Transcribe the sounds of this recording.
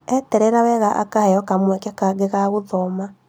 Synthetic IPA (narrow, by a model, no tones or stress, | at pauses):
ɛtɛɾɛɾawɛɣaʔa̰kahɛjɔkamwɛkɛkaɣeɣaɣoðɔma